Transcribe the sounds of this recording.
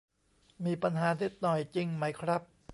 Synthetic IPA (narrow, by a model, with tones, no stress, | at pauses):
miː˧pa˧nɦaː˨˦ni˦˥t̪̚nɔ˨˩jt͡ɕi˧ŋma˦˥jkʰɾa˦˥p̚